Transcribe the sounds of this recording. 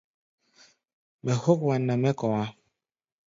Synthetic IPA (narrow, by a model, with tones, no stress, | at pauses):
mɛ˨ho˦kwa˨nːa˨mɛ˦kɔ˨a˦